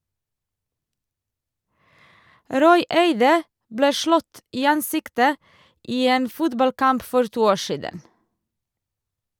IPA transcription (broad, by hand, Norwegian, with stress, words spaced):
ˈɾɔʏ ˈeɪdə ˈbleː ˈʃlɔt ˈiː ˈɑnˌsɪktə ˈʔiː ˈeːn ˈfʊtbɑlˌkɑmp ˈfɔɾ ˈtuː ˈoː ˈʃiːdən